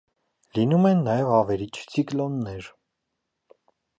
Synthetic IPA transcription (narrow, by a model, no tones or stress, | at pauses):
linumɛnːɑjɛvɑvɛɾit͡ʃʰt͡sʰiklɔnːɛɾ